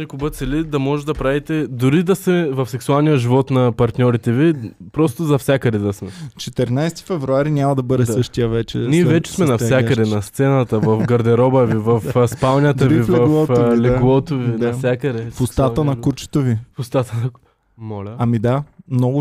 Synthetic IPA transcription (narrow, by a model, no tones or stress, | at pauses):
ɛkʊbət̪sɛlid̪ɐmɔʒɛt̪d̪ɐpɾavit̪ɛd̪ʊɾid̪ɐsɛvɐfsɛksualˠnijəʒivɔt̪nɐpɐɾt̪nʲɔɾit̪ɛvipɾɔst̪ʊzɐfsʲjakəd̪ɛd̪ɐsmɛt͡ʃɛt̪ɛɾnajst̪i̥fɛvɾuaɾinʲamɐd̪ɐbɤd̪ɛssɤʃt̪ijəvɛt͡ʃɛ̰niɛvɛt͡ʃɛ̥smɛnɐfsjakəd̪ɛnɐst̪sɛnət̪ɐvɐfɡɐɾd̪ɛɾɔbəvivɐfspalnʲɐt̪əvilvɛɐlˠɔtlɛɡlˠɔt̪ovinɐfsʲjakəd̪ɛfʊst̪at̪ənɐkuɾt͡ʃɛ̥t̪ovifʊst̪at̪ənɐ | mɔlʲɐɐmid̪amnɔɡʊ